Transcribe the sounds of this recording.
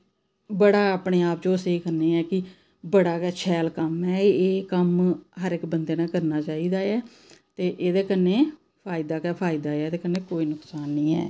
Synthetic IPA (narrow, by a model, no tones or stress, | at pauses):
bəɽaːaːpɳeːaːpd͡ʒõːəseːkəɾneːɛːkɪ | bəɽaːkɛːt͡ʃʰɛːlkəmɦɛːeːkəmɦəɾɪkbənd̪eːnãːkəɾnaːt͡ʃaːiːd̪aːɛː | t̪eːʔeːd̪eːkəneː | pʰaːɪd̪aːkɛpʰaːɪd̪aːɛːd̪eːkəɾnẽːkoːiːnʊksaːnːĩːɛ̰ː